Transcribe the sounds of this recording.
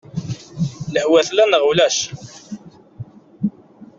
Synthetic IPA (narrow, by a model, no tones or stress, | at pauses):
ləhwæθlænəʁulæʃ